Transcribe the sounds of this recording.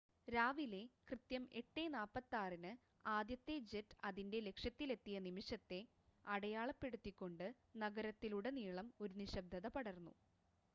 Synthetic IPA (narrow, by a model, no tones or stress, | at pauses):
ɾaːʋile̞krɨt̪jɐme̞ʈːe̞naːpːɐt̪ːaːrinɨ | aːd̪jɐt̪ːe̞d͡ʑetːɐðinde̞le̞kʂjɐt̪ːile̞t̪ːijɐnimiʂɐt̪ːe̞ | ɐɽɐjaːɭɐpːe̞ɽut̪ːikʲːo̞ɳɖɨ | nɐɡɐɾɐt̪ːiluɽe̞niːɭɐmo̞ɾuniɕɐb̚d̪ʱɐðɐpɐɽɐrnːṵ